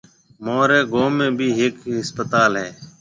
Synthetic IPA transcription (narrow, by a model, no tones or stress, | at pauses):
moːɾeːɡoːmẽːbʱiːɦɪkɦɪspət̪aːlɦɛː